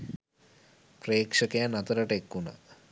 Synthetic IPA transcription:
preːkʂɐkejanɐt̪ɐɾəʈekːuna̰

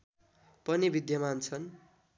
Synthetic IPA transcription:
pʌnibid̪jʌmaɦunt͡sʰʌn

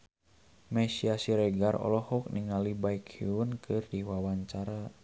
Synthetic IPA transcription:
mɛsiasiɾɛɡaɾɔ̰lɔhɔk̚niŋalibaikʰiunkɨrdiwawaɲt͡ʃaɾa

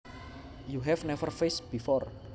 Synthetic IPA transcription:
juɦɛvnɛvərfesb̥ifɔr

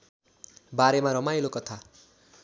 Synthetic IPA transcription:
baɾemaɾʌmajlokʌt̪ʰa

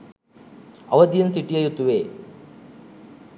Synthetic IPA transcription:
ɐ̰ʋɐd̪ijɐnsiʈiɐjut̪ːuʋe

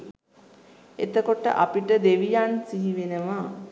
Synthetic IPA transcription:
et̪əkoʈə̰ʔapiʈəd̪eʋijansiɦiʋenəʋa

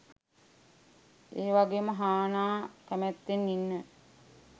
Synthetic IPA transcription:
eːʋaɡeːməɦaːnaːkæmæt̪ːenːinːə

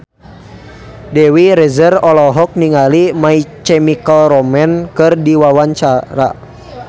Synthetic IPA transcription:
dɛwiɾɛzərɔlɔɦɔk̚niŋalimait͡ʃɛmikalɾɔmɛnkɨrdiwawaɲt͡ʃaɾa̰

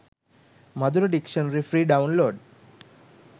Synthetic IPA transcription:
mɐd̪uɾoɖikʃənɾifɾiːɖaunloːɖ

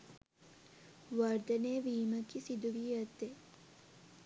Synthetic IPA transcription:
ʋɐɾd̪ɐneːʋiːməkisid̪uʋiɐt̪ːe

